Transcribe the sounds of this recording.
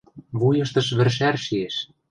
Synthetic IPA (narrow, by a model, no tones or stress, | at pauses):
βujɤ̆ʃt̪ɤ̆ʃβɘ̆rʃ̬ærʃieʃ